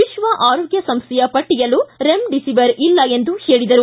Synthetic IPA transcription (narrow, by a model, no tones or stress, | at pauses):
ʋiʃʋɐʔaːɾoːɡjɐsɐmst̪ʰɛjɐpɐʈːijɐlːuɾemɖisiʋɐɾilːɐe̞nd̪uhe̞ːɭid̪ɐɾu